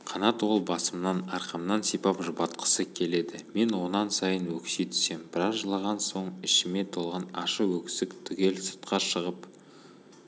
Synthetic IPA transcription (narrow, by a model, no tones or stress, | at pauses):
qʰɑnɑt̪wo̞lˠbɑsəmənɑnɑɾqɑmnɑnsipɑpʒʊbɑt̪qʰə̥səkʲʰe̞le̞d̪ɪme̞nwo̞nɑnsɑjənwɵksejt̪ʰʏ̥se̞mb̥ɪɾɑzʒəlˠɑʁɑnso̞ɴɪʃɪme̞t̪ʰo̞lˠʁɑnɑʃəwɵkʲsɪkt̪ʰʏɡʲe̞lsʊ̥t̪qʰɑʃəʁəp